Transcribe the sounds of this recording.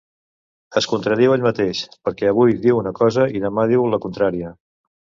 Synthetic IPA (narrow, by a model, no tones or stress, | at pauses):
əskunt̪ɾəðiweʎmət̪eʃpəɾkɛəβ̞ujðiwunəkɔzəiðəmað̞iwləkunt̪ɾaɾiə